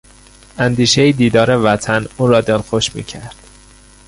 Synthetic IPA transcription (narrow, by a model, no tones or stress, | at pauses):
ænd̪iːʃejid̪iːd̪ɒːɾevæt̪ʰænuːɾɒːd̪elxoʃmḭːcʰæɾd̪̥